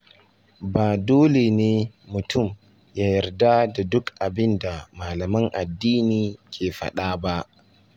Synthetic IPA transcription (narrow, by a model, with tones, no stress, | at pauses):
baː˨doː˦le˨neː˦ | mʊ˨tʊ˦˨m | ja˦jɐ˨rda˦da˨dʊ˦kʔa˨bɪ˦nda˨maː˨lɐ˨mɐ˦ŋʔa˨dːiː˦niː˨kʲeː˨ɸa̰˦ɗaː˦ba˦ʔ